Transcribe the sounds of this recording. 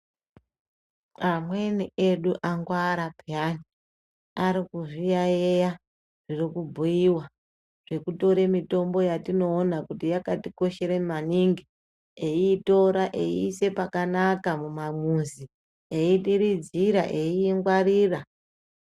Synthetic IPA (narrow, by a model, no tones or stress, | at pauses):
amwe̞niʔe̞ɗuʔaŋɡwaɾapjani | aɾikuʐijaeja | ʐirikubʱujiwa | ʐ̥e̞kuto̞ɾe̞mito̞mbo̞jatino̞ːnakutijakatiko̞ʃe̞ɾemaniŋɡi | eiːto̞ɾaʔeḭːse̞pakanakamumamuzi | eiɗiɾid͡ziɾa̰ʔe̞iːŋɡwariːra